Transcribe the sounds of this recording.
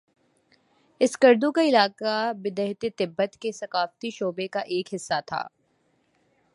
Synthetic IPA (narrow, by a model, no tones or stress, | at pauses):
ɪskɐɾd̪ũkaɪlaːkabɪd̪əɦt̪et̪ɪbːət̪kesɐkaːft̪iʃoːbekaʔeːkɦɪsːat̪ʰa̰ː